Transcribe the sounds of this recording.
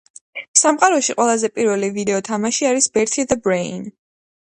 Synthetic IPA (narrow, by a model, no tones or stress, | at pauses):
samqʼaɾɔʃiqʼwɛlˠazɛpʼiɾvɛlivid̪ɛɔt̪ʰamaʃiaɾisbɛɾt̪ʰid̪əbɾein